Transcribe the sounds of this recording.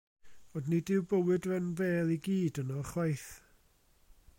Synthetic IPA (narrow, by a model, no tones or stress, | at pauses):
odnidɪwbəwɨdvɛnveːlˠiɡiːdənɔχwajθ